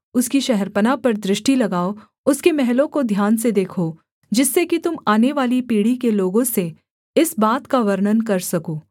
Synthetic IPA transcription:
ʊskiʃɛɦɛɾpənapɐɾd̪ɾɪʃʈilɐɡaːo | ʊskemɛɦlõkod̪ʱjaːnsed̪eːkʰoː | d͡ʒɪsːekit̪ʊmaːneʋaːlipiːɽikeloːɡõse | ɪsbaːt̪kaʋɐɾnənkɐɾsɐkoː

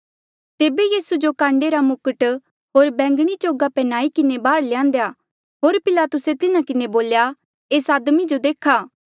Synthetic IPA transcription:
t̪eːbejiːsud͡ʒokãːɳɖeɾamʊkəʈ | ɦoːɾbɛ̃ːŋɡɽ̃it͡ʃoːɡapɛnaːikɪnebaːɾlɪjãːnd̪ejaː | ɦoːɾpɪlaːt̪ʊset̪ɪnakɪneboːlja | eːsaːd̪mid͡ʒod̪eːkʰaː

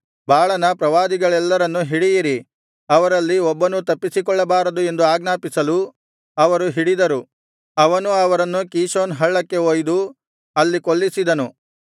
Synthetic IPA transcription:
baːɭɐnɐpɾɐʋaːd̪iɡɐɭɛlːɐɾɐnːuɦiɽijiɾi | ɐʋɐɾɐlːiɔbːɐnut̪ɐpːisikɔɭːɐbaːɾɐd̪ue̞nd̪uaːɡnaːpisɐlu | ɐʋɐɾuɦiɽid̪ɐɾu | ɐʋɐnuɐʋɐɾɐnːukiːʃoːnɦɐɭːɐkːe̞oːjd̪u | ɐlːikoɭːisid̪ɐnu

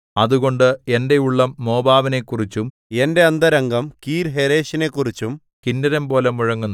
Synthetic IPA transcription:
ɐðuɣo̞ɳɖɨe̞nde̞juɭːɐmːo̞ːbaːʋine̞kːurit͡ɕːum | e̞nde̞ɐnd̪ɐɾɐŋɡɐmkiːɾɦeɾe̞ːɕine̞kːurit͡ɕːum | kinːɐɾɐmpo̞ːlemuɻɐŋːunː

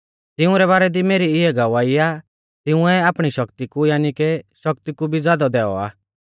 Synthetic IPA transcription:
t̪ɪʊ̃ɾɛbaːɾɛd̪imeːɾiɪɛɡɐʋaːia | t̪ɪ̃ʊ̃ɛaːpɽ̃iʃɐkt̪ikujaːnikɛʃɐk̚t̪ikubʱid͡zaːd̪ɔd̪ɛːɔ̰a̰ː

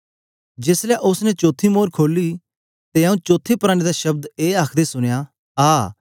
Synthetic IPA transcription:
d͡ʒeːslaʔʊsnɛt͡ʃoːt̪ʰimoːɾkʰoːli | t̪eaũt͡ʃoːt̪ʰːepɐɾaːɽ̃ed̪aʃɐb̚d̪eːaːkʰd̪esʊɽ̃ja | aː

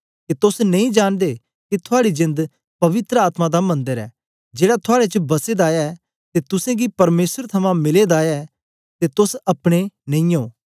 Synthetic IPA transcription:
ket̪ʊsnɐ̃ĩd͡ʒaːnd̪e | kit̪ʰʊaːɽid͡ʒɪ̃nd̪ | pɐʋɪt̪ɾəaːt̪mãd̪amɐ̃nd̪əɾɛ̰ː | d͡ʒeːɽat̪ʰʊaːɽet͡ʃəbɐsed̪aːja | t̪et̪ʊsẽɡipɐɾmeːsəɾt̪ʰɐmãmɪled̪aːja | t̪et̪ʊsɐpɽ̃enɐ̃ĩjoː

